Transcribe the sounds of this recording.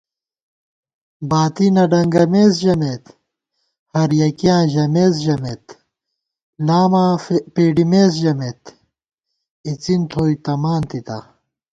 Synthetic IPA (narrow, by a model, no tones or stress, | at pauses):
baːt̪inɐɖɐŋɡɐmeːzʑɐmet̪ | hɐɾjɐkijãːʑɐmeːzʑɐmet̪ | laːmãːpeːɖimeːzʑɐmet̪ | it͡sint̪ʰoːit̪ɐmaːnt̪it̪a̰